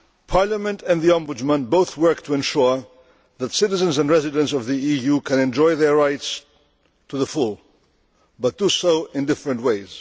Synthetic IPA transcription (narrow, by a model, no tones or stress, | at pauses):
pʰɑɹləmɨ̃ntɨ̃nðiæ̃mbʊd͡ʒmə̃nboʊθwɜ˞k̚tʰəɛ̃nʃʊɹ | ðætsɪɾɨzə̃nzə̃nɹɛzɨɾɨ̃ntsʌvðiijukʰɨ̃nɛ̃nd͡ʒɔɪðə˞ɹaɪts | tʰuðəfulˠ | bʌt̚d̥usoʊɪ̃ndɪfɹɨ̃ntweɪz̥